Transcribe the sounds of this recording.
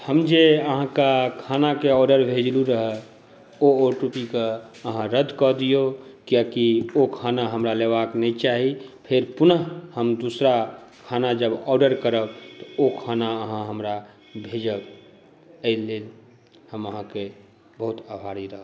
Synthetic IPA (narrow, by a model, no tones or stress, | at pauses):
həmd͡ʒeəɦãkakʰaːnakeɔːɖəɾbʱed͡ʒluɾəɦə | ooʈupika | əɦãɾəd̪ʱkɔd̪ijokjakiokʰanaɦəmɾaleʋaknɛit͡ʃaɦipʰeɾpʊnəɦhəmd̪usɾakʰanad͡ʒəbɔːɾɖəɾkəɾəbt̪ɔokʰanaəɦãɦəmɾa | bʱed͡ʒəb | əɪlːel | həməɦãke | bəɦut̪əbʱaɾiɾəɦə